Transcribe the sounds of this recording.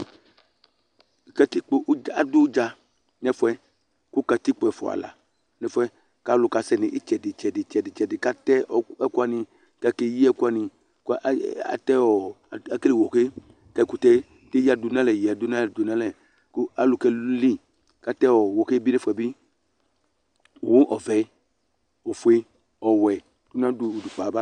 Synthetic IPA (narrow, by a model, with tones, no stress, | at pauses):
ka˨t̪i˦k͡po˨ʔa˨du˦d͡ʒa˧ | ɲɛ˦fɔ˦ɛ˦ | ku˦ka˨t̪i˦k͡po˨ɛ˨fɔ̰˨a̰˨la̰˨ | nɛ˦fɔ˦ɛ˦ | ka˦lo˨ka˨sɛ˦˨ni˨ʔi˦t͡ʃɛ˨di˨t͡ʃɛ˨di˨t͡ʃɛ˨di˨t͡ʃɛ˨di˨ka˦t̪ɛ˦ɔ˨ɛ˦ku˦a˦˨nĩ˧ | ka˦ke˨ji˦ɛ˦ku˦a˨nĩ˧ | ka̰˨t̪ɛ˦ɔ˨ | a˦ke˦li˨wɔ˨ke˦ | kɛ˦ku˨tɛ˦ | te˦a˨du˨nã˦lɛ˨ja˨du˦na˦ɛ˨du˨na˦lɛ˨ | ku˦a˨lʊ˨kɛ˧˦li˦ | ka˨˦tɛ˦ɔ˨wɔ˨ke˦bi˦ne˦fu˦ɛ˨bi˦ | o˨wu˦ʔɔ˨vɛ˨˦ | ɔ˨fu˨˦e˦ | ɔ˨wɛ˨ | d̥u˦n˦ã˦du˨du˨fa˨˦ba˦